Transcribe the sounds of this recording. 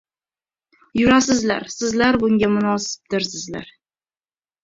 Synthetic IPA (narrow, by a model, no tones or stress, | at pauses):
jʊɾasɪzla̰ɾsɪzlaɾbʊŋɡʲamʊnɒsɪ̥p̚d̪ɪɾsɪzla̰ɾ